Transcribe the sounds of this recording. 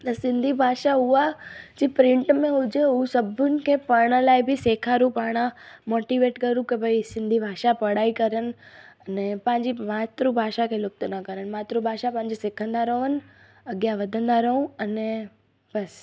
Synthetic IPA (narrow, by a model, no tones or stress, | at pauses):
t̪ɐsɪ̃nd̪ʱibʱaːʃaɦʊad͡ʑeːpɾɪ̃ɳʈmẽɦʊd͡ʑeʊusɐbʱʊnɪ̆kʰepaːɽ̃əlaːibʱiseːkʰaɾũpaːɽ̃amoːʈiʋeːʈkɐɾũkebʱɐisɪ̃nd̪ʱibʱaːʃapɐɽaːikɐɾən̆ɐnepɐ̃ɦɪ̃ɲd͡ʑimaːt̪ɾũbʱaːʃakʰelʊk̚t̪nɐkɐɾəñmaːt̪ɾũbʱaːʃapɐ̃ɦɪ̃ɲd͡ʑisɪkʰə̃nd̪aɾəən̆ | ɐɡjaʋɐd̪ʱə̃nd̪aɾəɦũɐne | bɐs